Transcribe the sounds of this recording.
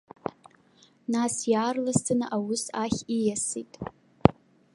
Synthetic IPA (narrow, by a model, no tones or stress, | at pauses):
nasjaːrlastʰanɨʔawʊsaχʲijasitʼ